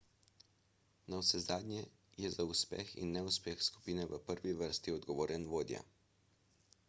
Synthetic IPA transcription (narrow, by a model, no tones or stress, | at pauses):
nawsɛzaːd̪nʲɛ | jɛzauspɛ̰xḭnːɛuspɛxsku̥piːnɛʋəpəɾʋiʋəɾst̪iɔd̪ɡɔʋoːɾʔɛnʋoːd̪ja̰